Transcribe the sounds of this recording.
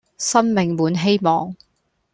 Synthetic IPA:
sɐ˥nmɪ˨ŋmuː˨˧˥nɦe˥jmɔː˨ŋ

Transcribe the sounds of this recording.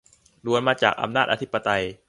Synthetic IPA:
ɾu˧ənmaː˧t͡ɕa̰ː˨˩k̚ʔa̰˧mnaː˥˩ʔa˧t̪ʰpːa˧t̪a˧j

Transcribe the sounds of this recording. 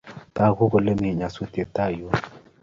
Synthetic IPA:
t̪a˦˨ɣu˦ɡo˨le˦me˨ɲa˨so˦t̪i˨e˨t̪a˦˨jo˦

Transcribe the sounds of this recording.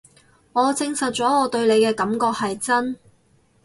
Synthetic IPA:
ŋɔː˨˧t͡sɪ˧ŋsɐ˨t̚t͡ʃɔː˨˥ɔː˨˧t̪ɵ˧ɥle˨˧jkɛː˧kɐ˨˥mkɔː˧k̚hɐ˨jt͡sɐ˥n

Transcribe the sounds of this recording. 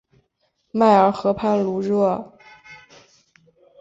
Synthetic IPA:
ma˥˩ɪə˞˧˥xɤ˧˥pʰa˥˩nlu˧˥ɻɤ˥˩

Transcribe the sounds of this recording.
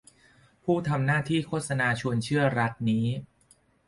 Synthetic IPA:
pʰuː˥˩t̪ʰa˧mnaː˥˩t̪ʰiː˥˩kʰoː˥˩t̪̚sa˧naː˧t͡ɕʰu˧ənt͡ɕʰɯ˥˩ɐɾa˦˥t̪̚niː˦˥

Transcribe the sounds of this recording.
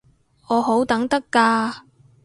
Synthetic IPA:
ɔː˨˧ɦo˨˥wt̪ɐ˨˥ŋt̪ɐ˥kːaː˧

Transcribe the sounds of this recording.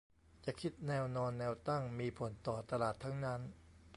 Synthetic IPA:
t͡ɕa˨˩kʰi˦˥t̪̚nɛː˧wnɔː˧nːɛː˧wt̪a˥˩ŋmiː˧pʰo˩˦nt̪ɔː˨˩t̪a˧laː˨˩t̪ʰːa˦˥ŋna˦˥n

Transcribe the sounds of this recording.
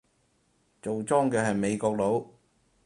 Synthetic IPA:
t͡so˨wt͡sɔː˥ŋkɛː˧ɦɐ˨jme˨˧jkɔː˧k̚lo˨˥w

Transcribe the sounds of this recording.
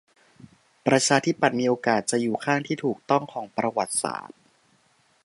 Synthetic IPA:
pɾa˧t͡ɕʰaː˧t̪ʰi˦˥˩pa˨˩t̪̚miː˧ʔoː˧kaː˨˩t̪̚t͡ɕa˨˩juː˨˩kʰaː˥˩ŋt̪ʰiː˥˩t̪ʰuː˨˩k̚t̪ɔ˥˩ŋkʰɔː˩˦ŋpɾa˧wa˨˩t̪̚sa̰ː˨˩˦t̪̚

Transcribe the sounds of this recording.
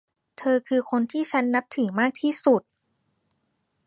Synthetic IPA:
t̪ʰɤː˧kʰɯː˧kʰo˧nt̪ʰiː˥˩t͡ɕʰa˦˥nːa˦˥p̚t̪ʰɯː˩˦maː˥˩k̚t̪ʰiː˥˩su˨˩t̪̚

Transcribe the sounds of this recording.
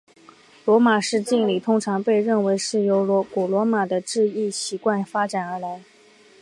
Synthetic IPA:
lwɔ˧˥ma˨˩ʂɻ̩˥˧t͡ɕi˥˩nli˨˩t̪ʰʊ˥ŋʈ͡ʂʰɑ˧˥ŋpe˥˧ɪɻə˥˩nwe˧˥ɪʂɻ̩˥˩jo˧˥ʊlɔ˧˥ku˨˩lwɔ˧˥ma˨˩d̪ə˦ʈ͡ʂɻ̩˥˧i˥˩ɕi˧˥kwa˥˩nfa˥ʈ͡ʂa˨˩nə˞˧˥la˧˥ɪ

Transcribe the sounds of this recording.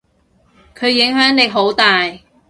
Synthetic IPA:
kʰɵ˨˧ɥjɪ˨˥ŋɦœː˨˥ŋle˨˧ɦo˨˥wt̪aː˨j

